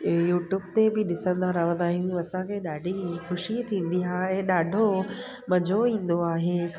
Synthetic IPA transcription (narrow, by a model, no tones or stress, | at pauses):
juːʈjuːb̚t̪ebɪɗɪsə̃nd̪ʱaɾɐɦʋə̃nd̪aːɦijũɐsãkʰeːɗaːɖʱixʊʃit̪ʰĩːn̆d̪iɦaːɛ̃ːɗaːɖʱo | mɐd͡ʑʱoĩːnd̪oaːɦeː